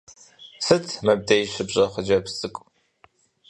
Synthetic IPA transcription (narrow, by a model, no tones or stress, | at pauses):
sɨtʰmɐb̚dejɕɪbʑʼɐχʷəd͡ʒɐpsɨkʷʼ